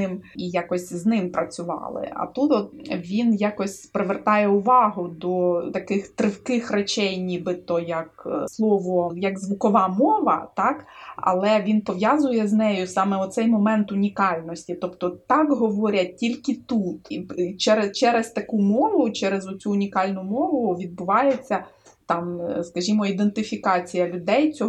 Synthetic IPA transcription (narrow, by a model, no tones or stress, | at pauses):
ɪmijakɔsʲznɪmpɾɐt͡sʲʊʋɑ̰lˠɪ̰ɐ̰t̪ut̪ɔt̪ʋʲinjakɔsʲpɾɪʋert̪ɑjɛʊʋɑɦʊd̪ɔt̪ɐkɪxt̪ɾɪwkɪxret͡ʃɛjnʲibɪt̪ɔjɐkslˠɔʋɔjɐɡzʋʊkɔʋɑmɔʋɐ̰t̪ɑkɐ̰lˠɛʋʲinpɔʋjɑzʊjɛznɛjʊsɑmɛɔt̪sɛjmɔmɛnt̪ʊnʲikɑlʲnɔsʲtʲit̪ɔpt̪ɔt̪ɑkɦɔʋɔɾʲɐtʲilʲkɪt̪ut̪it͡ʃɛɾet͡ʃɛɾest̪ɐkumɔʋʊt͡ʃɛɾezɔt͡sʲuːnʲikɑlʲnʊmɔʋʊʋʲid̪̚bʊʋɑjet͡sʲːɐ | t̪ɑmskɐʒʲimɔid̪ent̪ɪfʲikɑt͡sʲijɐlʲʊd̪ɛjt͡sʲɔ